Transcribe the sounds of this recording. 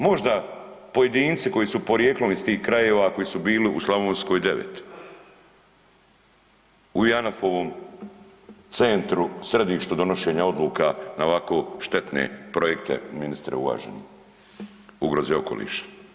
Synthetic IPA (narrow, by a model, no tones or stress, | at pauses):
mo̞ʒd̪a | po̞je̞d̪iːnt̪siko̞jisupo̞ɾjeklˠonist̪iːhkɾaje̞ːʋako̞jisubiːliʔuslˠaʋoːnsko̞ːjd̪e̞ʋḛt̪ | ujanafoʋoːm | t̪sent̪ɾusɾe̞d̪iːʃt̪ud̪o̞no̞ʃeːɲao̞d̪lˠuːkanaoʋako̞ːʃt̪e̞t̪nḛpɾojek̚t̪ḛminist̪ɾḛuʋa̰ːʒḛni | uɡɾozeo̞̰ko̞̰lḭːʃḁ